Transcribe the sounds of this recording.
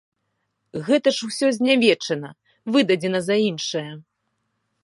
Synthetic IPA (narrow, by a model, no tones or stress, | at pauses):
ɣɛt̪ɐʂuwsʲɔzʲnʲavʲɛt͡ʂɐnɐ | vɨd̪ɐd͡zʲɛnɐzɐinʂɐjɐ